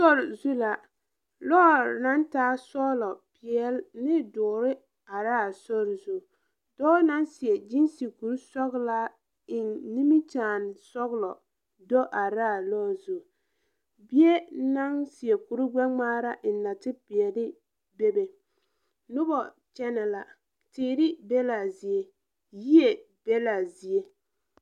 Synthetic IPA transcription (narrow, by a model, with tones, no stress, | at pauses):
sɔ˦ɾzu˦la˨ | lɔː˦˨na˦ntaː˦sɔ˦lɔ˨pɪ˨ɛ˦lːɪ˦dʊː˨ɾɪ˦ | a˨ɾaː˦˨sɔ˦ɾzu˦˨ | dɔː˦na˦nsɪ˨ɛ˨d͡ʒi˦nsi˨ku˨ɾsɔ˦ɣla˦ | ɪ˨nːi˦mi˦t͡ʃaː˨nsɔ˦ɣlɔ˨ | dɔ˦ʔa˨ɾaː˦˨lɔː˦zo˨ | bi˦e˦na˦ŋsi˨e˨ku˨ɾʊ˦ɡ͡bɛ˦ŋ͡maː˦ɾa˦ʔɪ˨nːa˨tɪ˦pɪ˨ɛ˨lɪ˦ | be˦be˨ | nʊ˦bɔ˨ | t͡ʃɛ˦nɛ˨la˨ | tɪː˨˦˨ɾɪ˦be˦la˨zi˨e˦ | ji˦e˨ | b̥e˦la˨zi˨e˦